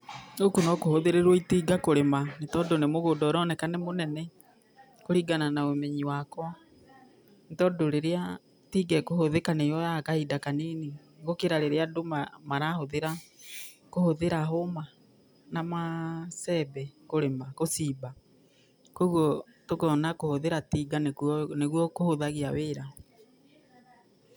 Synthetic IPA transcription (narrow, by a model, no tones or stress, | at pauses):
okunɔkohoðeɾeɾwɔitiːɡakoɾemantɔdonemoɣodɔːɾɔnɛkanɛmonɛnɛ | koɾiɡananaemeɲiwakwɔ | ntɔdoɾeɾea | tiːɡɛkohoðekanejɔjakahidakaniːni | ɣokeɾaɾeɾeadomamaɾahoðeɾa | kohoðeɾaɦoma | namasɛbɛkoɾemakosiːba | koɣwɔ | tokeɔnakohoðeɾatiɡanekneɣwɔkohoðaɣiaweɾa